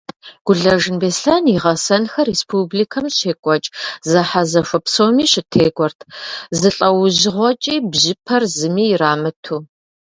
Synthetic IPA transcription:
ɡ̥ʷʊɮɐʒɨnbeːsɬɐniʁɐsɐnxɐrespʰublikʰɐmɕeːkʷʼɔt͡ʃʼzɐħazɐfʷɐpsowmiːɕɪtʰeːɡʷʼɔrtʰzɨɬʼɐwʑɪʁʷɔt͡ʃʼiːbʑɪpʰɐrzɨmiːraːmɐtʰuː

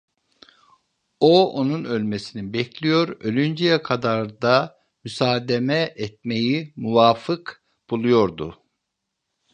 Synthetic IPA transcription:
oonunølʲmesininbɛcʰlʲijo̞ɾølʲynd͡ʒijɛkʰad̪aɾd̪a | mysaːd̪emɛɛt̪̚me̞jimuvaːfɯk | b̥ulˠujo̞ɾd̪u

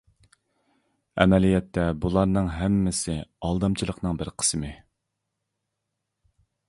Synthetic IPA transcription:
ɛ̰mɛlijɛt̪ʰːɛbulˠɑɾnɨŋɦɛmːɪsɪɑlˠd̪ɑmt͡ʃʰilˠəqnɨŋbɪɾqʰə̥smɪ

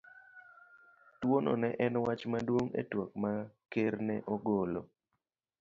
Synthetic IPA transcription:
twonɔ̰nɛʔɛnwat͡ʃmadwoŋḛtwɔkmakeɾnɛʔɔɡolo̰

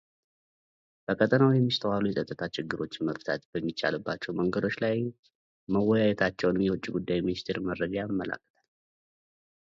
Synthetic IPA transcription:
b̥əkʼʰət̪ʼənawjɛmːist̪ʰəwalujɛsʼət̪ʼːət̪ʰat͡ʃɪɡːɨɾo̞t͡ʃːməft̪ʰa̰t̪b̥əmːit͡ʃʼːa̰lɨbːat͡ʃːɛwməŋɡəd̪o̞t͡ʃːlaj | məwːɔjajɛt̪ʰat͡ʃːɛwnɨmjɛwɔt͡ʃʼːiɡud̪ːajminist̪ʰeɾməɾːəd͡ʒajimːəlʔa̰kʰːə̥t̪ʰal

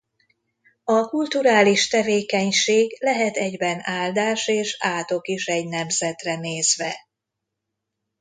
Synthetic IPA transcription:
ɒkult̪uɾaːliʃt̪ɛveːkɛɲʃeːɡlɛɦɛt̪ɛɟbɛnaːld̪aːʃeːʃaːt̪o̞kiʃɛɟnɛmzɛt̪rɛneːzʋɛ

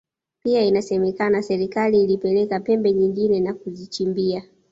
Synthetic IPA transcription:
piainasɛmɛkanasɛɾikaliːlipɛlɛkapɛmbɛɲiŋɡinɛnakuzit͡ʃimbia

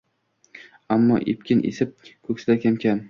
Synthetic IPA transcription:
amːɒ̰ʔep̚kʲɪnʔḛsɪp̚kʰɵkʲsɪd̪akʲʰamkʲʰan

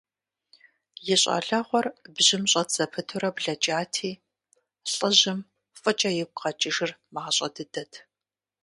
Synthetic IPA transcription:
jɪɕʼa̰ɮɐʁʷɔrbʑɪmɕʼɐtt͡sɐpʰɨtʰʊɾɐbɮɐt͡ʃʼaːtʰiː | ɬʼɨʑɪm | fʼɨt͡ʃʼɐjɪp̚ʷqɐt͡ʃʼɪʒɪrmaʁɕʼɐ̰dɨdɐtʰ

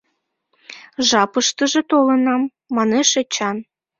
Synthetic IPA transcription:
ʒɑpəʃt̪ə̆ʒĕt̪olə̆nɑmː | ɑneʃet͡ɕɑn

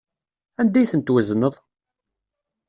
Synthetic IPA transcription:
ænd̪æjθənt̪wəznəðˤ

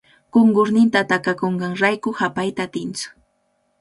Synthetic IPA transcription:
koŋɡʊɾnɪnt̪at̪akakoɴɢɑŋɾajkʊhapajt̪aːt̪ɪnt͡sʊ̥

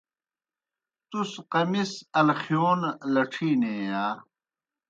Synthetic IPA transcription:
t̪usqɐmisɐlxjoːnlɐʈ͡ʂʰiːneːjaː

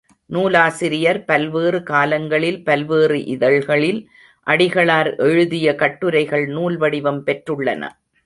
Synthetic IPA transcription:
nuːlaːsɪɾɪjɐɾpɐlʋeːrɯkaːlɐŋɡɐɭɪlpɐlʋeːrɯʔɪðɐɭɣɐɭɪl | ʔɐɽɪɣɐɭaːɾʔɛɻɯðɪjɐkɐʈːɯɾɐɪɣɐɭnuːlʋɐɽɪʋɐmpɛʈrɯɭːɐ̰nɐ̰

